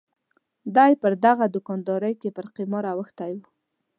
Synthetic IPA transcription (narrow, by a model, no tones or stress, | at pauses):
d̪ɑjpəɾd̪aɣad̪ʊkɑnd̪ɑɾəjkepəɾqimɑɾawəxt̪ajwu